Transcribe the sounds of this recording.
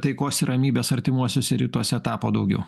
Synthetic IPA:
t̪ɐɪkoːsʲɪɾʔɐmʲiːbʲeːsɐɾʲt̪ʲɪmuɔsʲʊsʲɛɾʲiːt̪uɔsʲɛɛt̪ɑːpoːd̪ɐʊɡʲɛ̰ʊ

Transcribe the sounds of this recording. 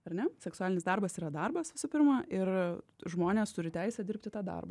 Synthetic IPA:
ɐɾnʲɛsʲɛksʊælʲɪnʲɪsd̪ɐrbɐsiːɾɐd̪ɐrbɐsʋʲɪsʊpʲɪɾmɐɪrʒmoːnʲeːst̪ʊɾʲɪt̪ʲæɪsʲɛdʲɪɾʲpʲt̪ʲɪt̪ɑːd̪ɐ̰rbɐ̰

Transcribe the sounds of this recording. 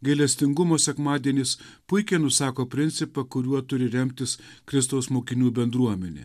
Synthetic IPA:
ɡɐɪlʲɛsʲt̪ʲɪŋɡʊmoːsʲɛkmɑːd̪ʲiɛnʲeːs | pʊɪkʲɛnʊsɑːkoːpʲɾʲɪnʲtsʲɪpɐkʊɾʲuɔt̪ʊɾʲɪɾʲɛmʲt̪ʲɪs | kɾʲɪst̪ɐʊsmoːkʲɪnʲuːbʲɛnd̪ɾuɔmʲɛnʲḛː

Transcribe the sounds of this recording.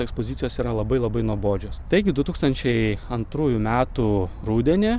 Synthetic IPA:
ɛkspozʲɪt̪sʲɪjoːsiːɾɐlˠɐbɐɪlˠɐbɐɪnuɔboːd͡ʒʲoːst̪ɐɪɡʲɪd̪ʊt̪uːkst̪ɐnʲt͡ʃʲɛɪɐnt̪ɾuːjumʲæːt̪u | ɾuːd̪ʲɛnʲɪ

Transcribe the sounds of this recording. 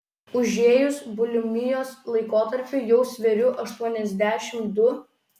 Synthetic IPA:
ʊʒʲeːjʊsbʊlʲʊmʲɪjoːslˠɐɪkoːt̪ɐɾʲpʲʊjɛʊsʲʋʲɛɾʲʊʔɐʃt̪uɔnʲɛzʲd̪ʲæːʃʲɪmd̪ʊ

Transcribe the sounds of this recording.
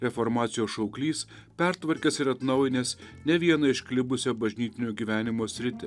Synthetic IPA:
ɾʲɛfɔɾmɑːt̪sʲɪjoːsʃɐʊklʲiːspʲɛɾt̪ʋɐɾʲkʲɛsɪɾɐt̪nɒʊjɪnʲeːsnʲɛʋʲiɛnɐɪʃklʲɪbʊsʲoːbɐʒʲnʲiːt̪ʲɪnʲoːɡʲiːʋʲæːnʲɪmoːsʲɾʲɪt̪ʲɪ

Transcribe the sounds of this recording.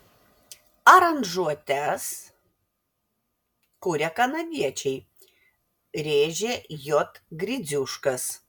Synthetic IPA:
ɐɾɐnʒuɔt̪ʲæs | kʊɾʲɛkɐnɐʋʲiɛt͡ʃʲɛɪ | ɾʲeːʒʲejɔt̪ɡɾʲɪd̪zʲʊʃkɐs

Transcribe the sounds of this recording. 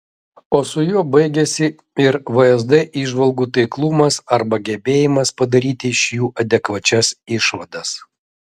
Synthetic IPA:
oːsʊjuɔbɐɪɡʲɛsʲɪ | ɪɾʋɐɛzd̪ɛʔiːʒʋɐlˠɡuːt̪ɐɪklˠʊmɐsɐɾbɐɡʲɛbʲeːjɪmɐspɐd̪ɐɾʲiːt̪ʲɪɪʃʲjuːʔɐd̪ʲɛkʋɐt͡ʃʲɛsɪʃʋɐd̪ɐs

